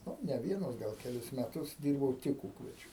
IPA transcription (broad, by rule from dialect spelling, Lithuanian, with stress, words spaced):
nʊ nʲɛ ˈʋʲiɛnʊs ˈɡɐlˠ kʲɛˈlʲɪs mʲɛˈtʊs ˈdʲiːrbɐʊ ˈtʲɪk ˈuːkʋʲɛd͡ʒʲʊ